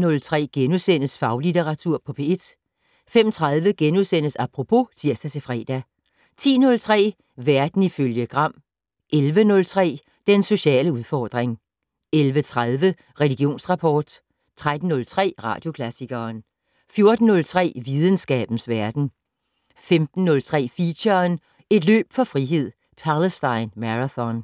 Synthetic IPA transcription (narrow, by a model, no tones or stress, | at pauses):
nɔ̽lt͡sʰʁɛ̰ːɡ̥enusen̰əsfɑ̈ʊlit͡sʰeʁɑ̈t͡sʰuɐ̰pʰɒ̽pʰe̝e̝d̥ | fem̰t͡sʰʁaðˠʋəɡ̥enuðˠsen̰əsɑ̈pʰʁo̝pʰo̝t͡sʰiɐsd̥æt͡sʰe̝fʁɛ̰ːd̥æ | t͡sʰḭːnɔ̽lt͡sʰʁɛ̰ː | ʋæɐd̥n̩iføljəɡ̥ʁɑ̈m̰ | ʔelʋənɔ̽lt͡sʰʁɛ̰ː | d̥enso̝ɕɛ̰ːləuð̞ˠfɒːd̥ʁeŋ | elʋət͡sʰʁaðˠʋə | ʁɛliɡ̥jo̝̰ːnsʁɑ̈pʰɒ̰ːd̥ | t͡sʰʁad̥n̩ːɔ̽lt͡sʰʁɛ̰ːʁɑ̰̈ːd̥jo̝kʰlæsiɡ̥ɐːn | fjo̝ɐd̥n̩ːɔ̽lt͡sʰʁɛ̰ːʋið̞ˠən̩sɡ̥ɛ̰ːb̥n̩sʋæɐd̥n̩ | femd̥n̩ːɔ̽lt͡sʰʁɛ̰ːfiɕɐn | e̝d̥lø̰ːb̥fɒ̽fʁiɦe̝ð̞̰ˠ | pʰæləsd̥ɑ̈ɪnmæʁaθɒn